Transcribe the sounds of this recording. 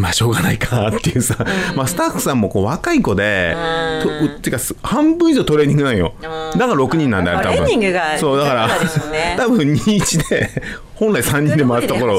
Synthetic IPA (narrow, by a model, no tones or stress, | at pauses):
maɕo̞ːɡanaikʰat̪ːe̞jɯ̟samasɨ̥t̪aɸːɯ̥sãmːo̞ko̞ːβakaiko̞d̪e̞̰t̪ot̪ːɨɯkːashãmbɯ̃iʑoːt̪o̞ɾe̞ːɲ̟ĩŋɡɯ̟nãɰ̃jo̞̰d̪akaɾɾo̞kɯ̟ɲ̟ĩnːãnd̪eaɾɯt̪abɯ̟̃ɲiŋɡɡaso̞ːd̪akaɾat̪abɯ̟̃ɲɲiːt͡ɕid̪e̞ | hõ̞nɾaisãɲ̟ːĩnd̪e̞maasɨt̪okoɾo̞